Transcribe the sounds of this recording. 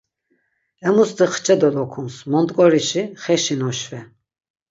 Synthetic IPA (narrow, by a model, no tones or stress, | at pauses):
ɛmust̪ʰiχʰt͡ʃʰʼɛd̪ɔlɔkʰumsmɔnt̪ʼkʼɔɾiʃiχɛʃinɔʃvɛ